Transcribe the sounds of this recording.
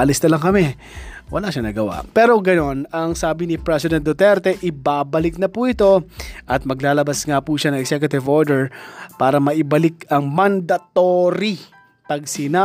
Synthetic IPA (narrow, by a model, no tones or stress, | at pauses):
ʔɐlɪsnɐlɐŋkɐmɛ | wɐ̰laːʃɐnɐɡɐwa̰pɛːɾo̞ɡɐno̞nɐŋsaːbɪnɪpɾɛsɪd̪ɛ̃n̚d̪ot̪ɛɾt̪ɛʔɪbaːbɐlɪk̚nɐpuːʔɪt̪o̞ʔɐt̪̚mɐɡlaːlɐbɐsŋapuʃanɐŋɛksɛkjʊt̪ɪvoɹd̪ɛɹpaːɾɐmɐʔɪbɐlɪkɐŋmɐnd̪ɐt̪oɾi | pɐɡsɪna